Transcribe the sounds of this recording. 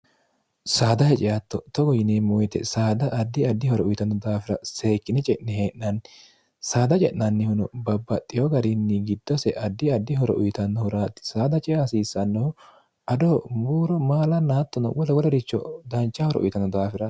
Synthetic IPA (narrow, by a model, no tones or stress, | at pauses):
saːd̪ɐhɛt͡ʃʼɪjɐt̪ːɔt̪ɔɡɔjɪnemʊjt̪ɛ̰saːd̪ɐʔːd̪ːɪɐd̪ːɪhɔɾɔʊjt̪ɐnːɔd̪aːfɪɾɐse̞ːkːɪnɛt͡ʃʼɛʔnɛheːʔnɐnːɪ | saːd̪ɐt͡ʃʼɛʔnɐnːɪhʊnɔbɐbːɐt̪ʼːɪjɔɡɐɾɪnːɪɡɪd̪ːɔsɛʔɐd̪ːɪɐd̪ːɪɦɔɾɔ̰ʔʊjt̪ɐnːɔhʊɾaːt̪ːɪ̥saːd̪ɐt͡ʃʼɪjasiːsːɐnːɔhʊ | ɐd̪omuːɾɔmaːlɐnːaːt̪ːɔnɐ̰wɔlɐɡɔlɔɾɪt͡ʃːɔ̰d̪ɐnt͡ʃːɐhɔɾɔ̰ʔʊ̰jt̪ɐnːɔd̪aːfɪɾɐ